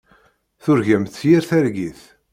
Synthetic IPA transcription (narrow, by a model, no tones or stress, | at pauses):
θʊɾʝæmθjiɾθæɾɡiθ